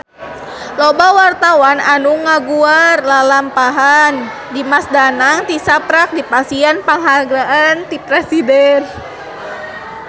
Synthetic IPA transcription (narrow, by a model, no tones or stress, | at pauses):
lɔbawart̪awananuŋaɡuarlalampaɦan | dimasdanaŋt̪isapɾak̚dipasianpaŋɦaɡɾaʔant̪ipɾɛsidɛn